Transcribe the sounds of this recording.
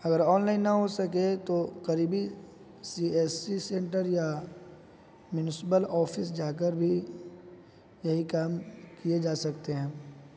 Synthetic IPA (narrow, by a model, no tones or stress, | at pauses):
ɐɡəɾɔːnlaːɪnːɐɦosɐket̪okɐɾiːbi | siːeːsisẽːɳʈəɾja | mjʊnɪsɪpəlɔːpʰɪs̬d͡ʒaːk̬əɾbʱi | jɐɦikaːmkied͡ʒaːsɐkt̪eɦɛ̃ː